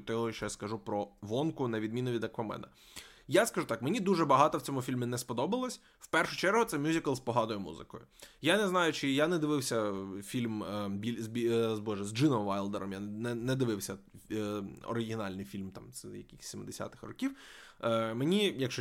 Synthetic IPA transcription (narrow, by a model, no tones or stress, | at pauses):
t̪ɔɦɔʃt͡ʃɔjaskɐʒupɾɔʋɔnkʊnɐʋʲid̪̚mʲinɔʋʲid̪ɐkʋɐmɛ̰nɐ | jaskɐʒut̪ɑkmenʲid̪uʒɛbɐɦɑt̪ɔwt͡sʲɔmʊfʲilʲmʲɪnɛspɔd̪ɔbɐlˠɔsʲ | w̥pɛrʃʊt͡ʃɛɾɦʊt̪sɛmʲjuzʲikɐlˠspɔɦɑd̪ɔjʊmṵzɪ̰kɔ̰jʊjanɛznɑjʊt͡ʃɪjanɛd̪ɪʋɪwsʲɐfʲilʲmbʲizbʲizbɔʒɛzd͡ʒɪnɔmʋajlˠd̪ɛɾɔmjanɛnɛd̪ɪʋɪwsʲɐ | ɔ̰ɾɪɦʲɪnɑlʲnɪjfʲilʲmt̪ɑ̰mzjɐ̰kɪxʲsʲimɪd̪esʲa̰t̪ɪ̥xrɔkʲiw | menʲijɐkʃɔ